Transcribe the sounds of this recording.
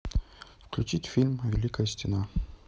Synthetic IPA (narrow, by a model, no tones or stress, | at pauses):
fklʲut͡ɕitʲfʲilʲmvʲɪlʲikəjəsʲtʲɪna